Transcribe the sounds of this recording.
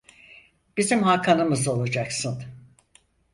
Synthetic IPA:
b̥izimɦakʰanɯmɯzo̞lˠad͡ʒaksɯn

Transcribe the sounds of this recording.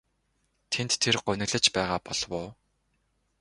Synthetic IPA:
t̪ʰent̪ʰːerɢʊnɘ̆ɣɮɘ̆t͡ɕpæːʁaːpɔɮwʊː

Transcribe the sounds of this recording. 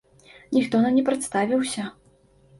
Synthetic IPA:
nʲixt̪ɔnɐmnʲɛpɾɛt̪st̪avʲiwsʲɐ

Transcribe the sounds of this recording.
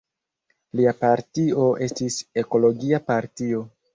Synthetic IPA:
liapaɾtio̞ʔe̞stise̞ko̞lo̞ɡiapaɾtio̞

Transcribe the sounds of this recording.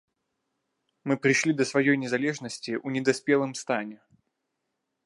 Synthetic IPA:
mɨpɾʲɪʂlʲid̪əsvɐjojnʲɪzɐlʲe̞ʐnəsʲtʲɪʔunʲɪd̪ɐspʲe̞lˠəmst̪anʲɪ

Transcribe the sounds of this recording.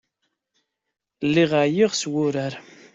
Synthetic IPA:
lːiʁaʕjiʁswʊɾaɾ

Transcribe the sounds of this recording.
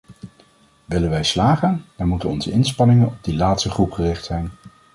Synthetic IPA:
ʋɪlənʋɛjslaːχənɛnmutənɔnzəɪnspɑnɪŋənɔb̚dilaːtstəχrupχərɪχtsɛjn

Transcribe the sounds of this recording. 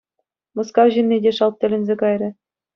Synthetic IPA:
mɤ̆skɑwʑinʲːedʲeʂɑlˠt̚t̪ʲɘ̆lʲɘ̆nʲzʲekɑjrʲɘ̆

